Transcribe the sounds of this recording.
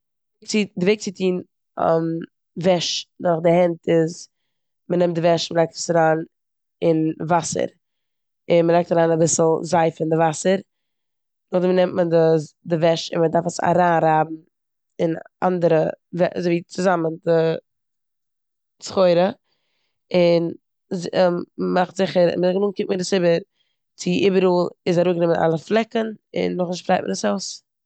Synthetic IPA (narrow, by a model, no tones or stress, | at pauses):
k̚t͡sidɪveɪk̚t͡sɪtʰiːn̰ | m | vɛʃnɔχdɪhɛntɪz | mənɛmtdɪvɛʃnməlaɪk̚tə̥saɾaːn | ɪnvasə̰ɾ | ɪnməlˠaɪktaɾaːnabɪsl̩ˠzaɪfɪndɪvasəɾ | nʊχdɪmənɛmtmədəsdɪvɛʃɪ̰nmədaɾfəsa̰ɾaːnɾaːbm̩ | ɪn | a̰ndəɾəvɛzoviːt͡sɪzaməndɪ | t͡sχoɪɾə | ɪn | zmaχtz̥ɪχəɾɪ̰məɡənuːŋkɪptmədɪsɪbəɾ | t͡sɪʔibəɾuːlˠɪsaɾuːɡnɪməna̰lˠəflˠɛkənɪ̰nːʊχnɪʃtfɾaɪt̚mə̰dəsaʊs